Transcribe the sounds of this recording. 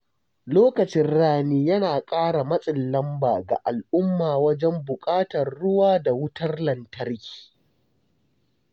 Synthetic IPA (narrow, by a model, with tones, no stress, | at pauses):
loː˦kɐ˨t͡ʃɪ˦nɽaː˦niː˦jɐ˦naː˨kʼaː˦ɽa˨mɐ˦sʼɪ˨lːɐ˦mbaː˨ɡa̰˨ʔa˨lʔʊ˦mːaː˨wɐ˦d͡ʒɛ˦mbʊ˨kʼaː˦tɐ˨rːʊ˦waː˦da˨wʊ˦tɐ˦rlɐ˨ntɐ˦rkʲi̥ː˨